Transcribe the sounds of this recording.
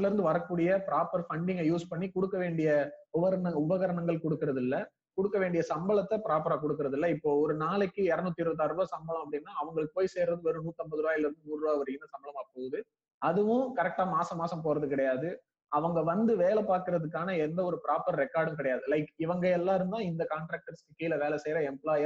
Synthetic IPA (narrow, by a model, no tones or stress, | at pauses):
lɪɾɯnd̪ɯʋɐɾɐkːuːɽɪjɐpɪɾaːpːɐɾfɐɳɖɪŋɡɐjuːspɐɳːikɔɽɯkːɐʋeːɳɖɪjɐʊʋɐɾɐɳɐʊbɐɣɐɾɐɳɐŋɡɐɭkɔɽɯkːɪɾɐðɪlːɐ | kɔɽɯkːɐʋeːɳɖɪjɐsɐmbɐɭɐt̪ːɐpɪɾaːpɐɾaːk̬ɔɽɯkːɯɾɐðɪlːɐɪpːoːɔɾɯnaːlɐkːɯɛɾɐnʊt̪ːɪɾʋɐt̪ːaɾɯʋɐsɐmbɐɭlɐ̃mɐpːɐɽɪnːaːɐʋɐŋɡɐɭɯɭkːɯpoːjseːɾrɐðɯʋɛɾɯnuːt̪ːɐmbɐðɯɾɯʋaːjɪlɐɾɯnd̪ɯmuːnrɯaːʋɐɾɪɪnd̪ɐsɐmbɐɭɐmɐpːoːɐðɯ | ɐðɯʋʊ̃kɐɾɛk̚ʈaːmaːsɐmaːsɐmpoːɾɐðɯkɪɽɐjaːðɯ | ɐʋɐŋɡɐʋɐnd̪ɯʋeːlɐpaːɾkɪɾɐðɯk̬ːaːnɐɛnd̪ɐɔɾɯpɪɾaːpɐɾɾɛkːaːɾɖɐmkɪɽɐjaːðɯlɐɪkɪʋɐŋɡɐɛlːãːɪɾɯnd̪ãːɪnd̪ɐkaːɳʈɾaːk̚ʈɐɾskɪkːɐɪlɐʋeːlɐsɛjɾɐɛmplaːjɐ